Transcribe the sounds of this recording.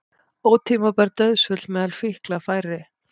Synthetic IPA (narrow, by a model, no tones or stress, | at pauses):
oːwt̪ʰiːmapɛɾt̪œðsfʏt̪lmɛːðalfɪhklafaːjɾɪ